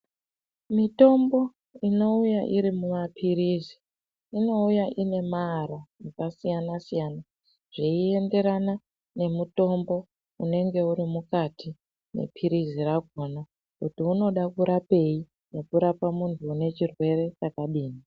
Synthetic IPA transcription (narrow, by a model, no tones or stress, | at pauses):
mito̞mbo̞ | ino̞ujaʔiɾimumapʰiɾiːzi | ino̞ujaʔine̞maːɾanekasijanasijana | ʐ̥iie̞nde̞ɾana | ne̞muto̞mbo̞ | une̞ŋɡe̞uɾimukatʰi | ne̞̰pʰiɾiziraɡʱona | kutiuno̞ɗakuɾape̞ji | ne̞kuɾapamuntʰuːne̞t͡ʃirwe̞re̞t͡ʃakaɗiːni